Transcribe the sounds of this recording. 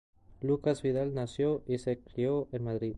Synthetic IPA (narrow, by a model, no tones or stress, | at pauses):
lukazβið̞alnasjoʔisekɾioʔenmaðɾi